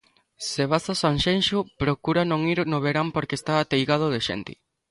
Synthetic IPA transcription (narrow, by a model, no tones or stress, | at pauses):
seβasasaŋʃenʃʊpɾokuɾanõŋiɾnʊβeɾampoɾkeːst̪aːt̪ejɣað̞ʊðeʃḛnt̪ɪ̰